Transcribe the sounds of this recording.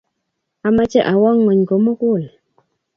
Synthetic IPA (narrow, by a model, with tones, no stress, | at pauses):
a˨ma˦t͡ʃe˦ʔa˨wɔ˦ŋːo˨ɲ˨ko˨mo˦kwu˦˨l